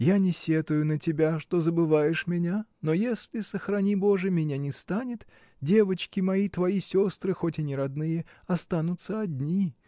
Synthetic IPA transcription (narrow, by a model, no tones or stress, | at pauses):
janʲɪsʲe̞t̪ʊjʊnətʲɪbʲaʂt̪o̞zəbɨvajɪʂmʲɪnʲano̞jesʲlʲɪsəxrɐnʲibo̞ʐɨmʲɪnʲanʲɪst̪anʲɪt̪ | dʲe̞vət͡ɕkʲɪmɐit̪vɐisʲo̞st̪ɾɨxo̞tʲɪnʲɪɾɐd̪nɨjəɐst̪anʊt̪səɐdʲnʲi